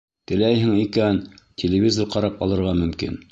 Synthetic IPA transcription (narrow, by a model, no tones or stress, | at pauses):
t̪ɘ̆læjɦɘŋikæn | tʲɪlʲɪvʲizorqɑɾɑpɑlˠɤ̆ɾʁɑmɵ̆mkḭn